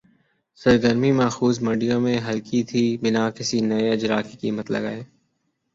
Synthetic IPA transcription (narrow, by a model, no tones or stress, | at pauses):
sɐɾɡəɾmimaːxuːzmɐɖijõmẽɦɐlkit̪ʰiːbɪnakɪsinɐeɪd͡ʒɾaːkikḭːmət̪lɐ̰ɡa̰ːeː